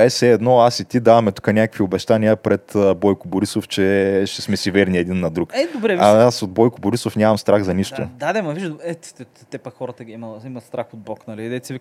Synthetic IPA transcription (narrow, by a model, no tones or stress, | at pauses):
ɛsɛːd̪nɔasit̪ʲid̪avɐmɛt̪u̥kənʲakəkviobɛʃt̪aniəpɾɛt̪əbɔjkʊbʊɾisoft͡ʃɛʃɛ̥smɛsivɛɾnʲiɛd̪inːɐd̪ɾukɛd̪obɾɛaasod̪bɔjkʊbʊɾisofnʲamɐmst̪ɾaɣzɐniʃt̪ʊ̰d̪ad̪ɛmɐviʒɛt̪ɛ | t̪ɛpɐxɔɾət̪əɡʲiimɐimɐst̪ɾaxod̪̚bɔknɐlid̪ɛsivi